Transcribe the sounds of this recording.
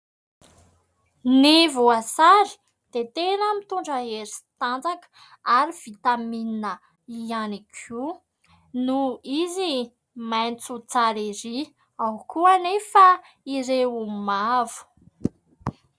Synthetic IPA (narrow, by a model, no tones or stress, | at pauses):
nivuasaɾi̥ | d̪̥et̪enəmit̪uɳɖ͡ʐəeɾist̪and͡zakə̥ | aɾiv̥it̪amininə | ianikʰu | nuizi | majnt͡sut͡saɾiɾi | awkuanefə | iɾewumavu̥